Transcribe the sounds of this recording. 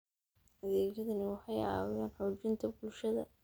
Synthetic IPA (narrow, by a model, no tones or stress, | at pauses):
ʔɐðɛːt͡ʃɐðɐnɪwɑħɑjaɑ̰ːwjaːnħɔːt͡ʃɪnt̪ʰɐbʊlʃɐðɐ̰